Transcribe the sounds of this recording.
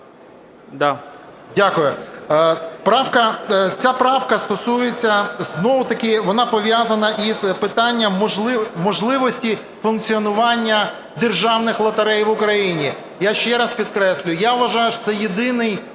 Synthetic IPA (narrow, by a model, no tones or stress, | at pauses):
d̪a | dʲakʊjʊ | pɾɑwkɐt͡sʲapɾɑwkɐst̪ɔsujet͡sʲːɐznɔʋʊt̪ɐkɪʋɔnɑpɔʋʲjazɐnɐʔiz̥pɪt̪ɑnʲːɐmlˠɪmɔʒlˠɪʋɔsʲtʲi | fʊnk̚t͡sʲiɔnʊʋɑnʲːɐ | d̪erʒɑwnɪxlˠɐt̪ɐɾɛjʋʊkɾɐjinʲi | jaʃt͡ʃɛɾɐspʲid̪kɾɛsʲlʲʊjjaʋʋɐʒɑjʊʃɔ̥sɛjed̪ɪnɪj